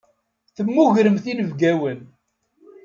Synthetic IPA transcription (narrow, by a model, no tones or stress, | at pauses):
θəmːʊʝɾəmθinəvɡæwən